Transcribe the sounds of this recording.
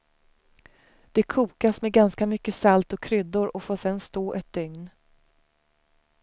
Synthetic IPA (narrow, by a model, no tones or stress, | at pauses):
d̪̥ɛkʰuːkasmɛɡanskamʏkːəsalt̪ɔkʰɾʏd̪ʊɾɔfoːʂɛnst̪oːʔɛt̪̚d̪̥ʏŋn